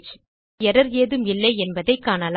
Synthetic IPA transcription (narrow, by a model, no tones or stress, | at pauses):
ɛɾɐɾjeːðɯmɪlːɐɪɛnbɐðɐɪkːaːnɐl